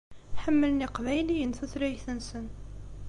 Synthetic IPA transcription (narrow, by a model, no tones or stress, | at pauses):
θħəmːələniqvæjlijənθæθɾæjθənsən